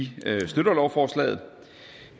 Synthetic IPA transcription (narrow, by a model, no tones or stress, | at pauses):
isd̥ød̥ɐlɒʊfɒːslɛ̰ːð̩ˠ